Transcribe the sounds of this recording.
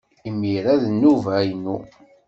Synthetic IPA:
imːiɾæðnːuvæjənu

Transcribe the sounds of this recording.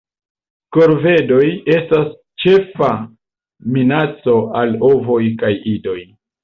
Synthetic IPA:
koɾve̞do̞je̞stas | t͡ʃe̞fa | minat͡so̞alovo̞jkajido̞j

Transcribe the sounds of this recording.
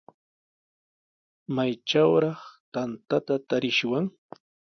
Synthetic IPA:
majʈ͡ʂawɾɑχt̪ant̪at̪at̪aɾɪʃwaŋ

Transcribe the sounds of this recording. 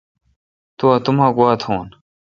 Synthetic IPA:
t̪uɐt̪umãːɡuaːt̪ʰoːn

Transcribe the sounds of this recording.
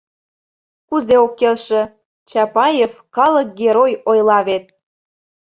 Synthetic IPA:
kuzeokːelʃĕ | t͡ɕɑpɑjefkɑlək̚ɡeɾojojlˠɑβet̪̚

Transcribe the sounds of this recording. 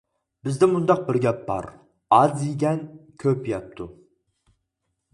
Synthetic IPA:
bɪzd̪ɪmund̪ɑq̚bɪɾɡʲɛp̚bɑ̰ɾ | ɑziɡʲɛnkʲʰøpjɑp̚t̪ʰu

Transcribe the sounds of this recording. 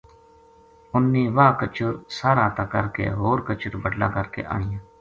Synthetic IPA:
ʊnːiːʋaːkət͡ʃəɾsaːɾãːt̪aːkəɾkḛːɦoːɾkət͡ʃəɾbəɖlã̰ːkəɾkḛːʔa̰ːɳɪjãː

